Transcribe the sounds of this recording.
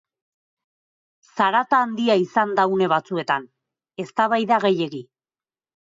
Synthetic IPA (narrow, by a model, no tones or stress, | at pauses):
saɾat̪aːnd̪iaisand̪awne̞β̞at͡sue̞t̪an | e̞st̪aβ̞ajðaɣe̞je̞ɣi